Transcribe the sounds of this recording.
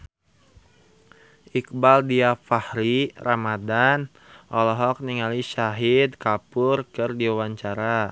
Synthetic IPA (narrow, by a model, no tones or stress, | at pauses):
ʔik̚baldiafahɾiramadan | ʔɔlɔɦɔk̚niŋaliʃaɦid̪kapʊrkɨrdiawaɲt͡ʃaɾa